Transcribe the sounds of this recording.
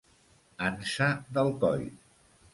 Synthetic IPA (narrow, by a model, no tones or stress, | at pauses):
ənsaðəlˠkɔ̰j